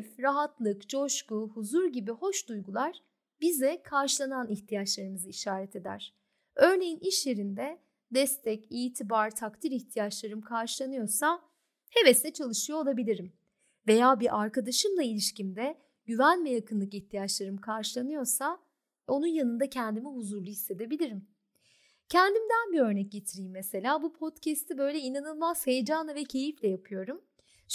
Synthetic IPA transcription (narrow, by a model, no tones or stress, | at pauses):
fɾaɦat̪lˠɯkt͡ʃʰo̞ʃkuhuzuɾɟibiho̞ʃd̪ujɡulˠaɾ̥ | bizɛkʰaɾʃlˠananiçt̪ʰijat͡ʃlˠaɾɯmɯzɯiʃaːɾɛt̪ʰe̞d̪æ̰ɾ̥ | ø̞ɾne̞jiniʃje̞ɾind̪ɛ | d̪ɛst̪ʰɛciːt̪ʰibaɾt̪ʰakt̪ʰiɾiçt̪ʰijat͡ʃlˠaɾɯmkʰaɾʃɯlˠanɯjo̞ɾsa | hevɛsɛt͡ʃʰalˠɯʃɯjo̞olˠabilʲiɾim | ve̞jaːbiʔaɾkad̪aʃɯmlˠailʲiʃcimd̪ɛ | ɟyvænvɛjakʰɯnˠɯkiçt̪ʰijat͡ʃlˠaɾɯmkʰaɾʃɯlˠanɯjo̞ɾsa | o̞nunjanɯnd̪acʰɛnd̪imiɦuzuɾlˠuhisːe̞d̪e̞bilʲiɾim | cʰɛnd̪imd̪ænbiø̞ɾnɛc̚ɟe̞t̪ʰiɾijimːese̞lʲaːbupʰo̞t̪cʰɛst̪ibø̞jlʲɛinanɯlˠmazhejd͡ʒanˠavɛcʰe̞jiflʲɛjapʰɯjo̞ɾum